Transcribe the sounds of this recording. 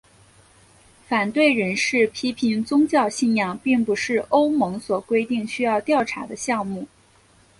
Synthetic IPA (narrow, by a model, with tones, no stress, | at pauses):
fa˨˩nt̪we˥˩ɪɻə˧˥nʂɻ̩˥˩pʰi˥pʰi˧˥nt͡sʊ˥ŋt͡ɕjɑ˥˧ʊɕi˥˧njɑ˥˩ŋpi˥˩ŋpu˧˥ʂɻ̩˥˩ʔo˥ʊmɤ˧˥ŋswɔ˨˩kwe˥ɪt̪i˥˩ŋɕy˥jɑ˥˧ʊt̪jɑ˥˩ʊʈ͡ʂʰa̰˧˥d̪ə˧ɕjɑ˥˧ŋmu˥˩